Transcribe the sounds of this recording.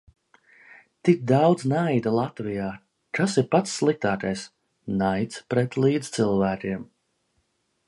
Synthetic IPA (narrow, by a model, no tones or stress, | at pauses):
t̪ik̚d̪awd̪znajd̪alˠat̪vijaː | t̪asiɾpat̪sːlˠik̚t̪aːkajs | najt̪spɾɛt̪lˠiːd̪z̥t̪sɨlˠvæːkʲiɛm